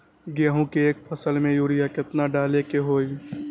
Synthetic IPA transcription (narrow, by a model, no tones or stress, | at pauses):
ɡeːɦũkeeːkpʰəsəlmẽjuːɾijakɪt̪naɖaːlekeɦoːi